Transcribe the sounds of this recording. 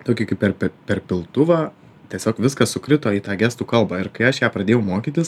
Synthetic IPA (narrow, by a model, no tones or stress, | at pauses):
t̪oːkʲɪkɐɪppʲɛrpʲɛpʲɛrpʲɪlˠt̪ʊʋɑː | t̪ʲɛsʲoːkʋʲɪskɐssʊkɾʲɪt̪oːiːt̪ɑːɡʲæːst̪uːkɐlˠbɑːɪɾkɐɪɐʃjæːpɾɐd̪ʲeːjɛʊmoːkʲiːt̪ʲɪs